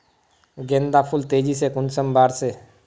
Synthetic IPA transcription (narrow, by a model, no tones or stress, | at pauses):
ɡẽːnd̪apʰʊlt̪eːd͡ʒisekʊnsəmbaːɾse